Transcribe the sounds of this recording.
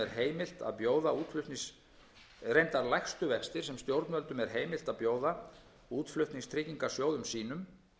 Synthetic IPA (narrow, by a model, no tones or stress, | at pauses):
ɛɾɦeːjmɪl̥t̪a̰ðpjoːwðauːt̪flʏht̪niŋs | rejnt̪aɾlajxst̪ʏvɛkst̪ɪɾ̥sɛmst̪jowɾt̪nœlt̪ʏmɛɾ̥ɦeːjmɪlt̪aðpjoːwða | uːt̪flʏht̪niŋst̪ʰɾɪciŋkḁsjoːwðʏmsiːnʏm